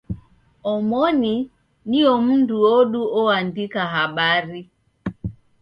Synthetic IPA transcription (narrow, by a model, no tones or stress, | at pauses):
ɔmɔni | niɔmunduɔɗuɔandikaɦaɓaɾi